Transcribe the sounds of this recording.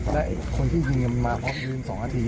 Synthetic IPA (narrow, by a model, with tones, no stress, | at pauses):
lɛ˦˥ʔkʰo˧nt̪ʰiː˥˩ji˧ŋə˧mmaː˧pʰɾɔː˦˥m˨ɯː˧˥˨nsɔː˩˦ŋʔaː˧t̪ʰiː˧